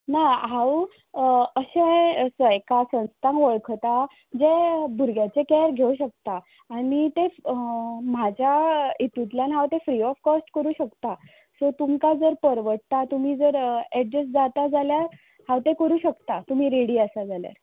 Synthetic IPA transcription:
naɦãw | əɕesəjkasə̃wst̪ãnʋəɭkʰt̪a | d͡zebʱuɾɡjat͡sekɛɾɡʱeuɕək̚t̪aː | nit̪e | mad͡ʑʱjait̪ut̪ljanɦawt̪ẽfɾiɔfkɔsʈkəɾuːɕəkt̪a | sot̪umkad͡zəɾpəɾʋəʈ̚t̪at̪um̤iːd͡zəɾɛɖɾesd͡zat̪ad͡zaljaɾ | hawt̪ẽkəɾuːɕəkt̪at̪um̤iːɾeɽiːəsad͡zalja̰ɾ

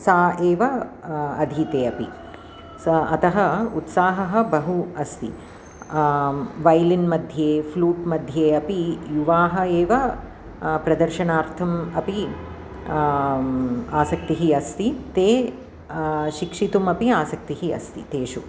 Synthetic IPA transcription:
saːeːʋɐɐd̪ʱit̪eːɐpi | sɐɐt̪ɐɦɐut̪saːɦɐɦɐ̆bɐɦuɐst̪ḭ | ʋɐjlinmɐd̪ʱjeːfluːʈmɐd̪ʱjeːɐpijuʋaːɦɐ̆eːʋɐ | pɾɐd̪ɐɾʃɐnaːɾt̪ʰɐmɐpi | aːsɐk̚t̪iɦiɐst̪it̪eː | ʃikʂit̪umɐpiaːsɐk̚t̪iɦiɐ̰st̪it̪eːʃu

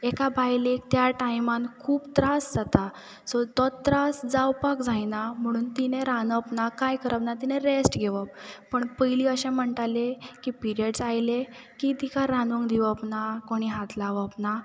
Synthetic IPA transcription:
ekabʱajlek̚t̪jaʈajmãnkʰuːpt̪ɾasd͡zat̪a | sɔt̪ɔt̪ɾasd͡zawpakd͡zajnam̤əɽ̃uːnt̪ineɾanəpnakajkəɾəpnat̪ineɾesʈɡʱeʋəppəɳpəjliːəɕẽm̤əɳʈ̪alekipiɾiəɽsajle | kit̪ikaɾanuŋkd̪iʋəpnakoɽ̃iɦat̪ʰlaʋəpna

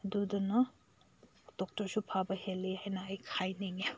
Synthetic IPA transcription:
ɐdudɐnɐ | d̥ɔk̚tɔɾsupʰabɐhelːihajnɐːjkʰajneŋe

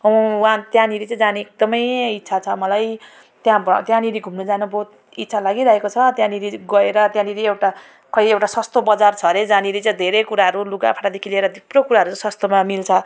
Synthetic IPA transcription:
ʌ̃wãt̪jãniɾit͡sãĩd͡zaniek̚d̪ʌmʌjit̪ːsʰat͡sʰʌmʌlaj | t̪jãbt̪jãniɾiɡʱumnʌd͡zanubʱot̪ | it̪ːsʰalaɡiɾaɦekot͡sʰʌt̪jãniɾiɡʌeɾʌt̪jãniɾiewʈa | kʌiewʈasʌst̪obʌd͡zart͡sʰʌɾed͡zaniɾit͡saj̃d̪ʱeɾekuɾaɦʌɾuluɡa̰pʰaʈad̪ekʰileɾʌd̪ubrokuɾaɦʌɾũsʌst̪omamilt͡sʰʌ

